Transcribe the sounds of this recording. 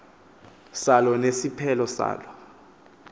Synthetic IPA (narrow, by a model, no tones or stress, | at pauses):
salɔnesipʰɛlɔsa̰ːlɔ